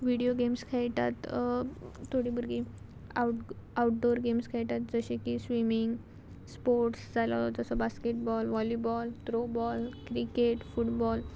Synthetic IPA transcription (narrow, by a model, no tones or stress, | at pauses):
ʋiɽijoɡemskʰajt̪a̰t̪ | t̪ʰːoɽibəɾɡi | aauʈ̚ɖoɾɡemskʰajt̪at̪̚d͡zəɕekisʋimiŋɡ | spoɾʈsd͡zalaɔd͡zəsɔbaskeʈbɔlʋɔlibɔlt̪ɾobɔlkɾikeʈfuʈbɔl